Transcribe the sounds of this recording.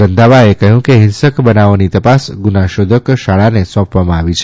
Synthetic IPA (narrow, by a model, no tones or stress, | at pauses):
ɾənd̪ʱaʋaekəɦjũkeɦɪnsəkbənaʋnit̪əpasɡunaʃod̪ʱəkʃaɭanesɔ̃pʋamãaʋit͡ʃʰ